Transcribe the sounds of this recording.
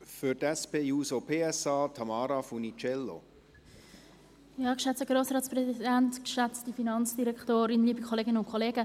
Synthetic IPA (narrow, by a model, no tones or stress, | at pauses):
fʏɾtɛspeːjuːsopʰeːɛsɑːtʰɑmɑːɾafunit͡ʃɛlːo̰ | jɑːkʃɛt͡stəɡɾoːsɾɑːtt͡sprɛziidɛntkʃɛt͡stifinɑnt͡sd̥iɾɛktoːɾɪnliːbikʰɔleːɡənʊntkʰɔleːɡə